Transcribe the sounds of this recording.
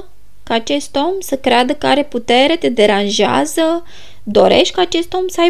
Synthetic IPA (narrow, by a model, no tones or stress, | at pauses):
kaːt͡ʃe̞st̪o̞msəkɾead̪əkaɾe̞put̪e̞ɾe̞t̪e̞d̪e̞ɾanʒea̰zə | d̪o̞ɾe̞̰ʃt̪̚ʲkaːt͡ʃe̞st̪o̞msəaj